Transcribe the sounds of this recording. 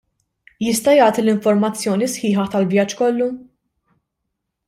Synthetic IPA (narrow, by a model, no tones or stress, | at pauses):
jɪst̪ɐjɐːt̪ilɪɱfɔɾmɐt͡sːjɔːnisħɪːħɐt̪ɐlvjɐt͡ʃːkɔlːu